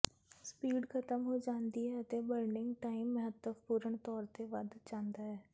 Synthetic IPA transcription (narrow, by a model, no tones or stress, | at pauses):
spiːɖkʰət̪əmɦoːd͡ʒãːnd̪iɦɛət̪eːbəɾɳɪŋɡʈaːimːəɦət̪ːəpuːɾəɳt̪ɔːɾt̪eʋəd̪t͡ʃãːnd̪aːɦɛː